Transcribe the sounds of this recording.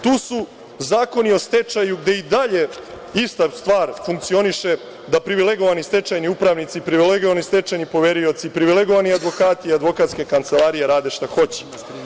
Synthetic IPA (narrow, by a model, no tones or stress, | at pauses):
t̪uːsu | zaːko̞nio̞st̪e̞t͡ʃajuɡd̪e̞id̪aʎe̞ | ist̪ast̪ʋaːɾfuŋk̚t̪sio̞niʃe̞ | d̪apɾiʋile̞ɡo̞ʋanist̪e̞t͡ʃajniupɾaʋnit̪sipɾiʋileɡoʋanist̪e̞t͡ʃajnipo̞ʋe̞ɾio̞t̪siːpɾiʋile̞ɡoʋaniad̪ʋo̞kaːt̪iiad̪ʋo̞kat̪ske̞kant̪se̞lˠaɾije̞ɾaːd̪e̞ʃt̪axo̞t͡ɕe̥